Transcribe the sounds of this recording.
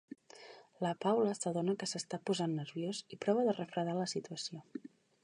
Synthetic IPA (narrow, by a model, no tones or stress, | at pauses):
ləpawləsəðonəkəsəst̪apuzanːəɾβjozipɾɔβ̞əðərəfɾəðaləsit̪uəsio